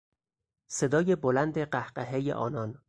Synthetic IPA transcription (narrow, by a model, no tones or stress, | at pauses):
se̞d̪ɒːje̞bolænd̪eɢæhɢeɦejḛʔɒ̰ːnɒn